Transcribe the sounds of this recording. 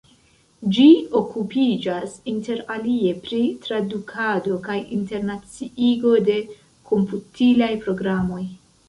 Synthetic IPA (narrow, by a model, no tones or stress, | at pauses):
d͡ʒio̞kupid͡ʒasinte̞ɾalie̞pɾitɾadukʰado̞kajinte̞ɾnat͡siʔiɡo̞de̞ | kʰo̞mputʰilajpɾo̞ɡɾamo̞j